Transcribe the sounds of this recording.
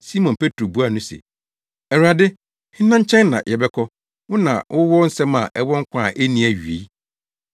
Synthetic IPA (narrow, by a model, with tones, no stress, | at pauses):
si˦mɔ̃˨npʰe˦tʰɾo˨bu˦a˨nʊ̃˦sɛ̰˨ | ɛ˨ɾa˨dɪ˦ | hɪ̃˦nːã˦ɲ˦t͡ɕʰɛ̃˦nːã˨jʔɛ˨bɛ˦kʰɔ˦ | wʊ˦nã̰˨wʔʊ˦wɔ˦n̩˦sɛ̃˦ma̰˨ʔɛ˦wɔ˦ŋ̩˦kʷʰã˦˨ʔe˦nĩ˨˦æ˨ɥi˨e˨i˦